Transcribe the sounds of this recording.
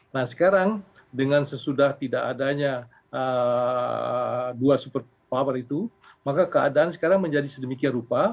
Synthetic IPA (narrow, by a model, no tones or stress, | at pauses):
nahsə̥kaɾaŋ | dəŋansəsudaht̪idaːdaɲa | ə | duasupər | pawərit̪u | makakəadaansə̥kaɾaŋməɲd͡ʒadisədəmikianrupa